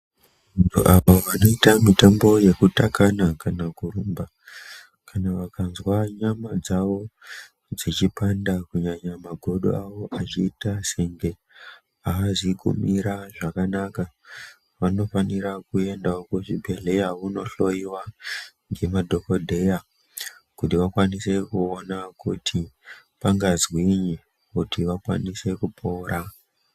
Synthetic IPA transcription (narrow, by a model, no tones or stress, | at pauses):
ʋʋantʰuʔaʋoʋano̞itamitambo̞je̞kutakanakanakuɾumba | kanaʋakanzwaɲamad͡zaʋo̞ | d͡zit͡ʃipandakuɲaɲamaɡʱo̞ɗo̰aʋo̞ʔat͡ʃiːtaseŋɡe̞ | aːziɡṵmiɾaʐakanaka | ʋano̞faniɾakue̞ndaokuʐibʱe̞ɮe̞jauno̞ɬo̞iwa | ŋɡe̞madʱo̞ko̞dʱe̞ja | kutiʋakwanise̞kuonakutʰi | paŋɡazwiɲe | utiʋakwa̰nise̞kupʰo̞ːɾa